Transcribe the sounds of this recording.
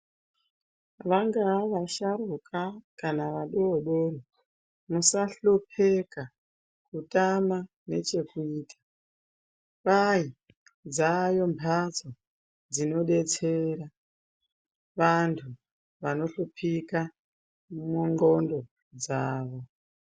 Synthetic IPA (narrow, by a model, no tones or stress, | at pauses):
ʋaŋɡaʋaʃaɾukakanaʋaɗooɗoro | musaɬopʰeka | kutama | ne̞̰t͡ʃe̞kuiːtʰḁ | ʋai | d͡zajo̞mbʱat͡so | d͡zino̞ɗe̞t͡se̞ɾa | ʋantʰu | ʋano̞ɬopʰika | muŋɡo̞ndo̞ | d͡zaːʋo̞